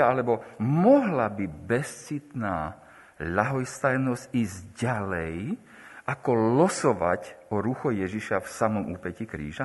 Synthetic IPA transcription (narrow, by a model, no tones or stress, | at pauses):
aalɛbɔmɔɦlabibɛst͡sit̪naː | ʎaɦɔjst̪ajnɔzciːzɟalɛj | ʔakɔlɔsɔʋa̰cɔɾuxɔjɛʒiʃafsamɔmuːpɛcikɾḭːʒa